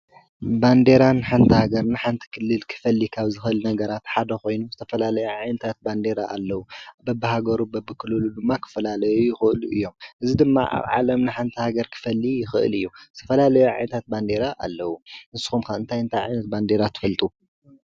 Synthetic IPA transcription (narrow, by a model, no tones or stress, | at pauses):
band̪e̞ɾanːħant̪ʰihaɡɐɾnɨħant̪ʰi̥kʰɨlːɨlkʰɨ̥fɐlːikʰaβzɨxɨʔɨlnɐɡɐɾat̪ħad̪ɐxo̞jnuzɨt̪ʰɐfɐlalɐjuʕajnɐt̪ʰat̪̚band̪e̞ɾaʔalːɐwubɐbɨɦaɡɐɾubɐbɨkʰɨlɨlud̪ɨmːakʰɨ̥fɐlalɐjujɪxɨʔɨluʔɨjːo̞mʔɨzid̪ɨmːa̰ʔa̰βʕa̰lɐmnɨħant̪ʰihaɡɐɾkʰɨ̥fɐlːijɪxɨ̰ʔɨ̰lɨjːuzɨt̪ʰɐfɐlalɐjuʕa̰jnɐt̪ʰat̪̚band̪e̞ɾaʔa̰lːɐwuʔɨnsu̥xumkaɨnt̪ʰajɨnt̪ʰajʕa̰jnɐt̪̚band̪e̞ɾat̪ʰɨ̥fɐlt̪ʼu